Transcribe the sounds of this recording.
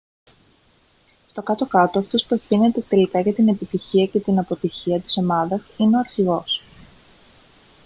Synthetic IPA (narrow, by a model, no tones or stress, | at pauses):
st̪o̞kɐt̪o̞kɐt̪o̞ɐft̪o̞spue̞fθine̞t̪e̞t̪e̞likɐʝɐt̪ine̞pit̪içiɐce̞t̪inɐpo̞t̪içiɐt̪i̥so̞mɐðɐsineo̞ɐɾçiɣo̞s